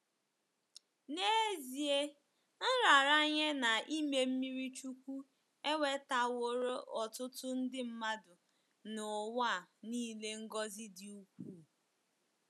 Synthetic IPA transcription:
ne˦zi˨e˦ | n̩˦ɾa˨ɾa˦ɲe˦na˨i˦me˦m̩˦mi˦ɾi˦t͡ʃu˦kʷu˦ | e˦we˨˦ta˨wo˨ɾo˦ʔɔ˨tʊ˦tʊ˦n̩˦dɪ˦m̩˦ma˦dʊ˨ | nʊ˨wa˦˨niː˦le˦ŋ̩˦ɡɔ˦zɪ˦dɪ˨u˦kʷuː˦˨

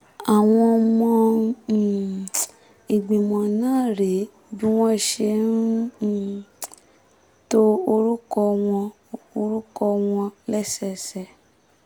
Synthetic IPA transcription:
a˨w̃ɔ̃˧mɔ̃˧˨ | i˨ɡ͡bĩ˨mɔ̃˨nãː˦˨ɾe˨˦ | bũ˦w̃ɔ̃˦i˨ʃe˧˦n̩˦˨ | to˦o˧ɾu˦kɔ˧w̃ɔ̃˧ | o˧ɾu˦kɔ˧w̃ɔ̃˧lɛ˦˨sɛ˦˨sɛ˨

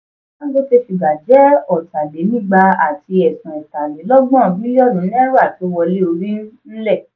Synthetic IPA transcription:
ã˦ɡ͡bo˦te˧fi˨ɡ͡ba˨d͡ʒɛ˨˦ɔ˨ta˨de˨˦nĩ˦˨ɡ͡ba˧a˨ti˧ɛ˨sũ˨ɔ˨ta˨le˨˦lɔ˦ɡ͡bɔ̃˦˨bĩ˦jɔ˦˨nũ˨˦n˦ɾa˦˨ti˨o˦˧wɔ˧le˦o˧ɾĩ˦n̩˦n̩˦lɛ˦˨

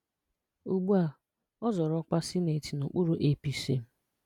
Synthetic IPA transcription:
u˨ɡ͡bu˦a˨ | ɔ˦zɔ˨ɾɔ˦k͡pa˦sɪ˦ne˨ti˨nu˨k͡pu˦ɾu˨ʔe˦pi˨sḛ˨m̩˦

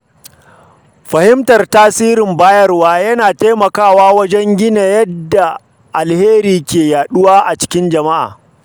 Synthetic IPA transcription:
ɸɐ˨hɪ˦mtɐ˨rtaː˦siː˦ɾɪ˨mbaː˦jɐ˦rwaː˦jɐ˦naː˨ta˦mɐ˨kaː˦˨waː˦wɐ˦d͡ʒɛ˦ŋɡʲɪ˦na˨jɐ˦dːa˨ | ʔa˨lheː˦ɾiː˨kʲeː˨jaː˨ɗʊ˦waː˦ʔa˨t͡ʃɪ̥˦kʲɪ˦nd͡ʒɐ˨ma˦ʔa̰ː˨

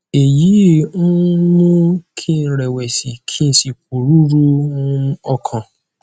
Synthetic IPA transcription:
e˨jĩ˨˦ | mũ˦kʰi˦˧˨ɾɛ˨wɛ˨si˨kʰi˦n̩˦si˨k̚u˨ɾu˦ɾu˦ | ɔ˧kʰã˨

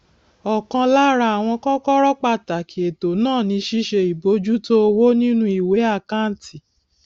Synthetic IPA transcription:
ɔ˨kã˧la˦ɾa˧a˨w̃ɔ̃˧kɔ̃˦kɔ˦ɾɔ˦k͡pa˦˨ta˨kʰi˨˦e˨to˨nãː˦˨nĩ˧ʃi˦ʃe˧i˨bo˨˦d͡ʒu˦to˦o˧wo˦nĩ˦nũ˦i˨we˨˦a˦˨ka˦n̩˦ti˨

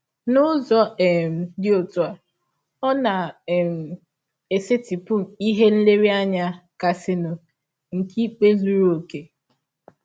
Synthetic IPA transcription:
nʊ˦zɔ˦ɛ˨m̩˨dɪ˦o˨tu˨a˨ | ɔ˦na˨m̩˨ | e˨se˦tɪ˨pʊ˦i˦ɦe˦n̩˦le˦ɾi˦a˦ɲa˦ka˨sɪ˦nʊ˨ | ŋ̩˨ki˦k͡pe˦zu˦ɾu˦o˨ke˨

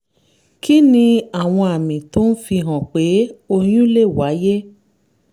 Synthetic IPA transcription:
ki˦nĩ˧a˨w̃ɔ̃˧a˨mĩ˨to˦n̩˦fi˧ɦɔ̃˨k͡pe˨˦o˧j̃ũ˦le˦˨wa˨˦je˦

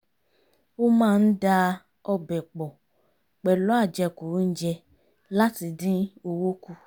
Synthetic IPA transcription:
o˦mãː˦˧n̩˦da˧ | ɔ˧bɛ˨k͡pɔ˨ | k͡pɛ˨lɔ˨˦a˦˨d͡ʒɛ˧ku˨˦n̩˦d͡ʒɛ˧ | la˦ti˧dĩ˦o˧wo˦ku˧

